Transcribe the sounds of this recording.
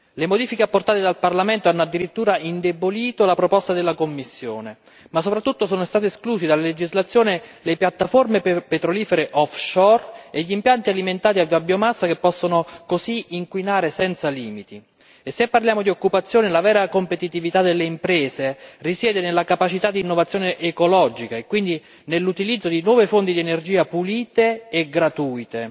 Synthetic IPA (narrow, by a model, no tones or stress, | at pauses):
lemod̪iːfikeapːort̪aːt̪ed̪alparlamɛnt̪oanːoad̪ːiɾit̪ːuːɾaind̪eboliːt̪olapɾopɔst̪ad̪elːakomːisːjo̰ːne | masːopɾat̪ːut̪ːosoːnost̪aːt̪̬eskluːsid̪alːaled͡ʒizlat̪sːjoːnelepjat̪ːaformepet̪ɾoliːfeɾeʔɔfʃɔreʎːimpjant̪ialiment̪aːt̪iavabːjomasːakepːɔsːonokosiiŋkwinaːɾesɛnt̪saliːmit̪i | esːepːarljaːmod̪iokːupat̪sːjoːnelavɛːɾakompet̪it̪ivit̪ad̪elːeimpɾɛːzerisjɛːd̪enelːakapat͡ʃit̪ad̪ːiːnːovat̪sːjoːneʔːkolɔd͡ʒikaekːwind̪i | nelːut̪ilid̪zːod̪inwɔːvefont̪id̪iɛnerd͡ʒiːapuliːt̪eːɡɾat̪uːjt̪e